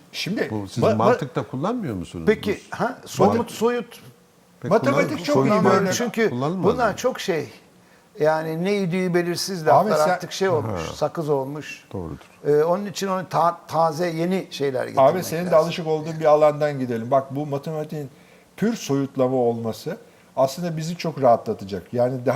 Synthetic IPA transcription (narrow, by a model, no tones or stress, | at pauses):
ʃimd̪isizmaɯk̚t̪akʰulˠːanmɯjo̞ɾmusunpʰecihæsomut̪sojut̪ | pmat̪emat̪ikt͡ʃʰoit͡ʃʰyɲcʰyulːˠanmbunlˠaɾt͡ʃʰo̞kʃej | jaːninejid̪yjybe̞lʲiɾsizlʲamˠaɾaat̪ʰɯkʃejo̞lˠmṵʃsakɯzo̞lˠmuʃd̪̥o̰ɾ | ɯːo̞nunit͡ʃʰinont̪ʰat̪ʰaːzɛje̞niʃe̞jlʲæ̰ɾɡɟ̰abɛse̞nind̪ɛalˠɯʃɯko̞lˠd̪uːnbialˠand̪anɟid̪elʲimbak̚bumat̪ʰemat̪ʰiin | pʰyɾso̞jut̪lˠamao̞lˠmasɯ | aslˠɯnd̪abizit͡ʃʰo̞kɾaɦat̪lˠat̪ʰɯd͡ʒakjaːnid̪aɦ